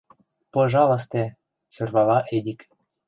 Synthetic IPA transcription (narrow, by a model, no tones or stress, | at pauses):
pɤ̆ʒɑlɤ̆s̬t̪e | sørβɑlɑʔedʲik